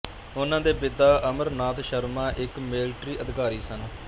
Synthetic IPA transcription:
ʊnãːd̪eːbɪd̪aːʔəməɾnaːt̪ʃəɾmãːʔɪkmɪlʈɾiːʔəd̪ɪkaːɾiːsən

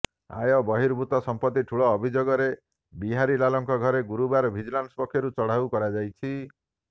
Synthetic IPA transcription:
a̰jɔbɔɦiɾbʱut̪ɔsɔmpɔt̪ːiʈʰuɭɔːbʱid͡ʒoɡɔɾe | biɦaɾilalɔŋkɔɡʱɔɾeɡuɾubaɾɔbʱid͡ʒlanspɔkʰːjɔɾut͡ʃɔɽ̤awkɔɾad͡ʒajt͡ʃʰi

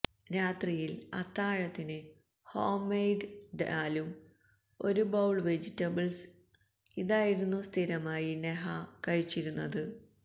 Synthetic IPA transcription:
ɾaːt̪rijilɐ̰t̪ːaːɻɐt̪ːinɨ | hoːmːejɖɖaːlum | o̞ɾubɐwɭʋe̞d͡ʑitːɐbɐls | iðaːjiɾunːust̪ʰiɾɐmaːjineɦɐkɐɻit͡ɕːiɾunːɐðɨ

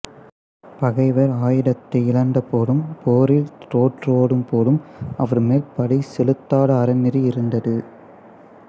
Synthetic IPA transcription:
pɐɣɐɪʋɐɾaːjɪɽɐt̪ːɐɪɪɭɐnd̪ɐpoːɽɯmpoːɾɪlɾoːʈroːɽɯmpoːɽɯmɐʋɐɾmeːlpɐɽiɪsɛlɯt̪ːaːɽɐːɾɐnːɪɾiɪɾɯnd̪ɐðɯ

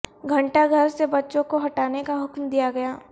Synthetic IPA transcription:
ɡʱɐ̃ɳʈaɡʱɐɾsebɐtːʃõkoɦɐʈaːnekaɦʊkmd̪ijaɡɐjaː

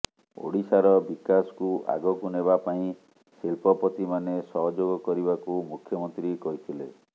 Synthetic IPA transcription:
o̰ɽisaɾɔbikasɔ̥kuʔa̰ɡɔkuneβapaĩ | silpɔpɔt̪imanesɔɦɔd͡ʒoɡɔkɔɾibakumukʰjɔmɔnt̪ɾikɔɦit̪ʰile

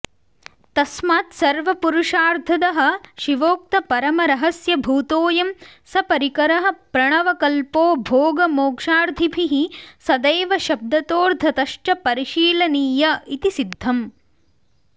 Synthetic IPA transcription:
t̪ɐsmaːt̪sɐɾʋɐpuɾuʂaːɾt̪ʰɐd̪ɐɦɐ̆ʃiʋoːk̚t̪ɐpɐɾɐmɐɾɐɦɐsjɐbʱuːt̪oːjɐmsɐpɐɾikɐɾɐɦɐ̆pɾɐɳɐʋɐkɐlpoːbʱoːɡɐmoːkʂaːɾd̪ʱibʱiɦisɐd̪eːʋɐʃɐb̚d̪ɐt̪oːɾd̪ʱɐt̪ɐʂʈɐpɐɾiʃiːlɐniːjɐit̪isid̪ʱːɐm

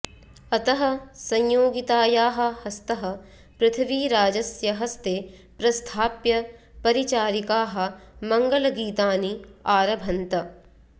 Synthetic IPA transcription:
ɐt̪ɐɦɐ̆sɐ̃ɲjoːɡit̪aːjaːɦɐ̆hɐst̪ɐɦɐ̆ | pɾɪt̪ʰɐʋiːɾaːd͡ʒɐsjɐɦɐst̪eː | pɾɐst̪ʰaːpjɐpɐɾit͡ʃaːɾikaːɦɐ̆mɐŋɡɐlɐɡiːt̪aːniaːɾɐbʱɐnt̪ɐ

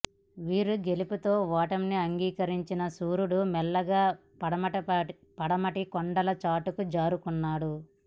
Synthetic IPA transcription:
ʋiːɾuɡe̞liput̪o̞ːʋaːʈɐmniɐŋɡiːkɐɾiɲt͡ʃinɐsuːɾuɽumɛlːɐɡaː | ɽɐɐ | pɐɽɐmɐʈikɔɳɖɐlɐt͡ʃaːʈukud͡ʒaːɾukunːaːɽu

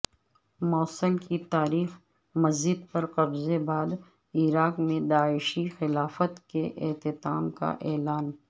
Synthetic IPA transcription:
mɔːsəlkit̪aːɾiːx | mɐzɪd̪̚pɐɾqɐbzebaːd̪ | iɾaːqmẽd̪aːɪʃixɪlaːfət̪keʔɪ̰t̪ɪt̪a̰ːmka̰ʔɛːlaːn

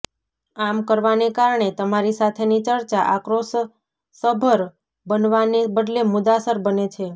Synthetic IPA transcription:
amkəɾʋanekaɾɳ̃et̪əmaɾisat̪ʰenit͡ʃəɾt͡ʃaʔakɾos | səbʱəɾ | bənʋanebəd̪lemʊd̪asəɾbənet͡ʃʰe

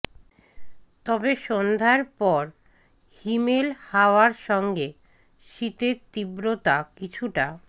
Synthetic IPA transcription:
t̪ɔbeʃond̪ʱaeɾpɔɾ | himelhaoaɾʃɔŋɡe | ʃit̪eɾt̪ibɾot̪akit͡ɕʰuʈa

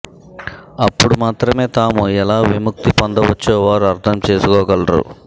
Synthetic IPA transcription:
ɐpːuɽumaːt̪ɾɐme̞ːt̪aːmuɛlaːʋimuk̚t̪ipɐnd̪ɐʋɐt͡ʃːoːʋaːɾuɐɾt̪ʰɐmt͡ʃe̞ːsukɔːɡɐlɐɾṵ

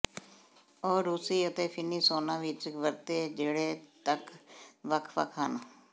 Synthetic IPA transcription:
ɔːɾːuːsiːət̪eːpʰɪniːsoːnãːʋɪt͡ʃʋəɾt̪eːd͡ʒeːɽeːt̪əkʋəkʰʋə̰kʰənː

